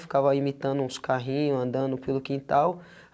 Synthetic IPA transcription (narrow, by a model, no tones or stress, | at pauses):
fi̥kavɐimit̪ɐ̃nd̪ʊũskaɦĩɲʊɐ̃nd̪ɐ̃nd̪ʊpelʊkĩnt̪aw